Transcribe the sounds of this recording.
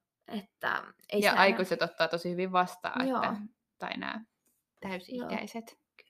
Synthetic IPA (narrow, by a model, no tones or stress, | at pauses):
et̪ːæ̰eijɑʔɑikuset̪ot̪ːɑːt̪osihyʋiʋʋɑst̪ɑ̰ːeoːæ | t̪ɑinæ̰ː | t̪æysiikæ̰iset̪